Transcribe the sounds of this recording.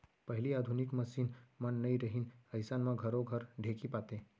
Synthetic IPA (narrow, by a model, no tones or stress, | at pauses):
pəɦɪliad̪ʱunikməsiːnmənːəiɾəɦinəjsanmãɡʱəɾoɡʱəɾɖʱekipat̪e